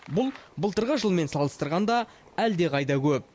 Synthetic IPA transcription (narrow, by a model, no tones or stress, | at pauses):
bʊlˠbəlˠt̪əɾʁəʒəlˠme̞nsɑlˠəst̪əɾʁɑnd̪ɑ | æld̪e̞qʰɑjt̪ɑkʲʰɵp̚